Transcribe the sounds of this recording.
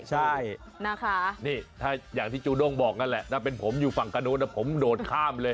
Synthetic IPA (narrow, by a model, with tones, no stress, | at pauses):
t͡ɕʰa˥˩j | naː˥˩kʰa˦˥˩niː˥˩t̪ʰaː˥˩jaː˨˩ŋt̪ʰiː˥˩t͡ɕuː˧do˥˩ŋbɔː˨˩k̚na˦˥nlɛ˨˩ʔt̪ʰaː˥˩p̬e˧npʰo˩˦mjuː˨˩fa˨˩ŋka˧nu˦˥t̪̚la˦˥˩pʰo˩˦mdoː˨˩nkʰaː˥˩mlɤː˧j